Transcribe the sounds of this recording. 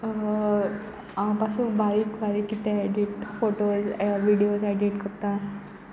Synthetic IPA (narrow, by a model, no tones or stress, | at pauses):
ãpasubaɾiːkbaɾiːkːit̪ɛaɖiʈfoʈozaʋiɽijosaɖiʈkəɾt̪ã